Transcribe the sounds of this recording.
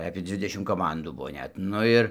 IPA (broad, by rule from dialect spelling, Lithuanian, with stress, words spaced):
ɐpʲiɛ ˈd͡zʲʋʲɪdʲɛʃʲɪm koːˈmɐnduː ˈbʊʋoː ˈnʲɛt ˈnʊ ɪr